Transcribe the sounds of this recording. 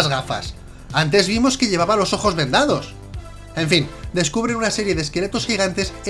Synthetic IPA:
zɣafa̰s | ant̪̬e̞zβimo̞ske̞ʎe̞βaβalo̞so̞xo̞zβẽ̞nd̪aðo̞s | e̞ɱfind̪e̞skuβɾe̞nunase̞ɾje̞ðeskele̞t̪o̞sxiɣ̞ant̪e̞se

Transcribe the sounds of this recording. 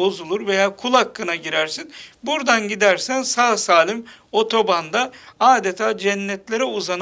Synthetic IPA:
o̞zulˠuɾve̞jaːkʰulˠhakːɯnaɟiɾæɾsinbuɾd̪anɟid̪æɾsænsaːsaːlʲˠim | o̞t̪ʰo̞band̪aaːd̪et̪ʰaːd͡ʒɛnːɛt̪lʲe̞ɾɛuzan

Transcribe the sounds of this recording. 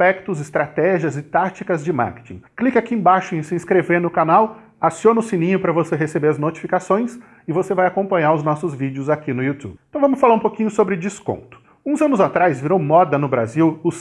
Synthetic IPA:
pɛkt̪ʊzɪst̪ɾat̪ɛʒiɐzɪt̪at͡ʃikɐzd͡ʒɪma̰ɾke̥t͡ʃḭ̃klikakiẽbaʃʊẽsɪĩskɾeveɾnʊkanaw | asionʊsĩnĩɲʊpɾɐvoseɦesebeɾɐznot͡ʃi̥fikasõj̃s | ɪvosevajakõmpɐ̃ɲaɾʊznɔsʊzvid͡ʒɪʊzakinʊiut̪ṵbɪẽt̪ɐ̃w̃vɐ̃mʊsfalaɾũpokĩɲʊsobɾɪd͡ʒiskõ̰nt̪ʊ̥ | ũzɐ̃nʊzat̪ɾajzviɾowmɔd̪ɐnʊbɾaziwʊ

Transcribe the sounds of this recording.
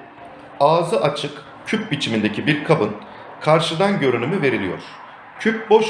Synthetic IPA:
aːzɯʔat͡ʃʰɯk | cʰyp̚bit͡ʃʰimind̪e̞cʰibiɾkʰabɯn | kʰaɾʃɯd̪anɟø̞ɾynymyve̞ɾilʲijo̰ɾ̥ | cʰyp̚bo̞ʃ

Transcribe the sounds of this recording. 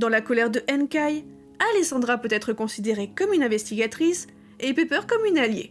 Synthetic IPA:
d̪ɑ̃lakɔlɛʁd̪əʔɛnkaj | alesɑ̃d̪ʁapøt̪ɛt̪χəkɔ̃sid̪eʁekɔmynɛ̃vɛst̪iɡʲat̪χis | epepœʁkɔmynaljḛ

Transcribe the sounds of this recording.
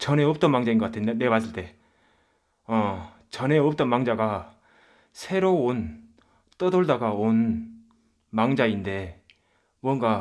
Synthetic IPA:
t͡ɕʌne̞ʌp̚t͈ʌnmaŋd͡ʑainɡʌk͈atʰenebas͈ʰɯɭt͈e̞ | ʌ | t͡ɕʌneʌp̚t͈ʌnmaŋd͡ʑaɡa | sʰe̞ɾoon | t͈ʌdʌɭdaɡaon | maŋd͡ʑainde̞ | mwʌŋɡa

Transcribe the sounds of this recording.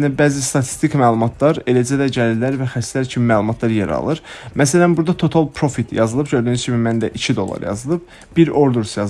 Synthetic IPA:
næbæːzist̪ɑt̪ʰi̥st̪ikmæːlˠumɑt̪ʰlˠɑɾe̞læd͡ʒæd̪æɟælilæɾvæxæst̪læɾcʰimimæːlˠumɑt̪ʰlˠɑɾjeɾɑ̰lˠɯɾmæs̬ælænbuɾd̪ɑt̪ʰo̞t̪ʰɑlˠpʰɾo̞fit̪ʰjɑzɯlˠɯbɟø̞ɾd̪ynyzcʰimimænd̪æʔit͡ʃʰid̪o̞lˠːɑ̰ɾjɑ̰zɯlˠɯb̥̚ | biɾo̞ɾd̪uɾsjɑ

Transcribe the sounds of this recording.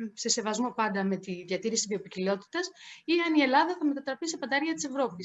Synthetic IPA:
se̞se̞vɐzmo̞pɐnd̪ɐme̞t̪iðʝɐt̪iɾisiðio̞picilio̞t̪i̥t̪ɐsiɐnie̞lɐðɐθɐme̞t̪ɐt̪ɾɐpisepɐnd̪ɐɐɾʝɐt̪i̥se̞vɾo̞pi

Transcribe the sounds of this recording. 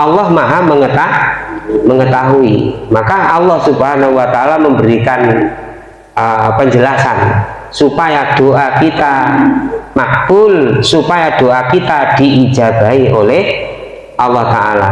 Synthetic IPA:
ʔɑlːɔhmaɦaməŋət̪ahməŋət̪aɦuḭmakaːlːɔhsubɦanahuwat̪aalaməmbəɾikan | əpəɲd͡ʒəlasan | supajad̥oʔakit̪a | mak̚b̥ʊlsupajad̥oʔakit̪ad̥iʔid͡ʒa̤ɡ̥aiʔolɛh | ʔɑlːɔht̪aa̰la̰

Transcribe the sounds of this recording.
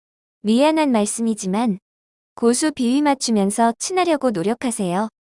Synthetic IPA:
mieanɦanmaɭs͈ɯmid͡ʑiman | kosʰupiɥimat͡ɕʰumjʌnsʰʌt͡ɕʰinaɾjʌɡonoɾjʌkʰasʰe̞jo

